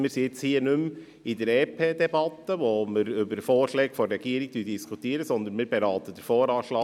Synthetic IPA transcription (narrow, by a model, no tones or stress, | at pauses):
mɪːɾsiɪt͡shiːənʉm | ɪd̪ɛɾɛːpʰeːd̪ɛbɑt̪əʋoːməɾʏbəɾfoːɾʃlɛːɡfɔɾːɛɡ̥iːəɾiɡ̥̚tyːddiskʰut̪iːɾəsɔnd̪ənmɪːɾbɛɾɑːt̪əd̥̪ɛɾfoːɾɑːʃlɑː